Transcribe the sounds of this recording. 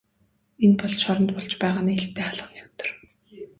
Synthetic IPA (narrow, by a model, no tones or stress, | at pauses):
enpɔɮʃɔɾɞ̆nt̪pɔɮt͡ɕpæːʁaːniːeɬt̪ːeːχaɮə̆njɔwt̪ɞ̥̆r